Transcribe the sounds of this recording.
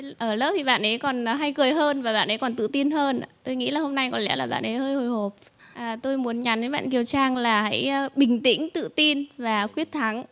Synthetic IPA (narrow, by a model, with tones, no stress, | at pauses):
ʔəː˧˩ləː˦˥p̚t̪ʰi˨˩ɓa̰ː˧˨nʔə˨˦jkɔ˨˩n˨˩ɦa˧jkɨ˨˩əjɦəː˧nvaː˨˩ɓa̰ː˧˨nʔə˨˦jkɔ˨˩nt̪ɨ̰˧˨t̪i˧nhəː˧n˨t̪o˧jŋḭ˧˥laː˨˩ho˧mna˧jkɔ˨˩nlɛ̰˧˥laː˨˩ɓa̰ː˧˨nʔə˨˦jhəː˧jho˨˩jho˨˩p̚ | ʔaː˨˩t̪o˧jmu˨˦ənɲa˨˦nə˨˦jɓa̰ː˧˨nki˨˩əwt͡ɕaː˧ŋlaː˨˩ha̰˧˥jɓï˨˩ŋ̟t̪ḭ̈˧˥ŋ̟t̪ɨ̰˧˨t̪i˧nvaː˨˩kwi˦˥ət̚t̪ʰa˨˦ŋ